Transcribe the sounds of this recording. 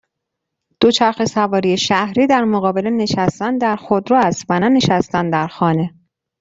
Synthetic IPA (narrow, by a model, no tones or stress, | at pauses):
d̪̥ot͡ʃʰæɾxe̞sævɒːɾijeʃæhɾiːd̪æɾmoɣɒːbe̞lene̞ʃæst̪ænd̪æɾxod̪ɾɒːæst̪vænæne̞ʃæst̪ænd̪æɾxɒːne̞